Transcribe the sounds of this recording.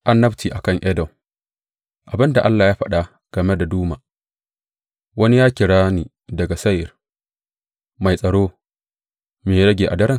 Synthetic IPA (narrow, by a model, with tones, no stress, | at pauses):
ʔa˦nːɐ˦btiː˨ʔa˨kɐ˦˨ŋʔɛ˦dɔ˨ | ʔa˨bɪ˦nda˨ʔa˦lːaː˨jaː˦ɸɐ˦ɗa˨ | ɡ̥ɐ˨me˦da˨duː˦ma˨ | wɐ˦ni˦jaː˦kʲɪ˨ɽaː˦niː˨ | dɐ˨ɡa˨sɐ˦jɪ˨r | ma˨jsʼɐ˨ɽoː˦ | meː˨ɽɐ˦ɡʲeː˨ʔa̰˨dɐ˦ɾɪ˦˨ŋ